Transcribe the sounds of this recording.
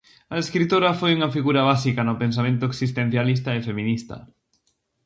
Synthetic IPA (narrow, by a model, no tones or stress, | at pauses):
aeskɾit̪oɾafojuŋafiɣuɾaβ̞asikanʊpẽns̬amẽnt̪ʊeksist̪en̟θjalis̬t̪aefemĩnist̪a̰